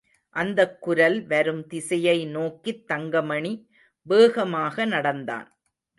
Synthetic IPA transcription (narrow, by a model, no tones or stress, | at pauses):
ʔɐnd̪ɐkːʊɾɐlʋɐɾɯmt̪ɪsɐjɐɪnoːkːit̪ːɐŋɡɐmɐɳi | beːɣɐmaːɣɐnɐɽɐnd̪a̰ːn